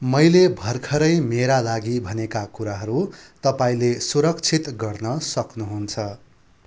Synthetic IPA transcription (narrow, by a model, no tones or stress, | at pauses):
mʌjlebʱʌrkʰʌɾʌjmeɾalaɡibʱʌnekakuɾaɦʌɾut̪ʌpaĩlesuɾʌk̚t͡sʰit̪ɡʌrnʌsʌknuɦunt͡sʰʌ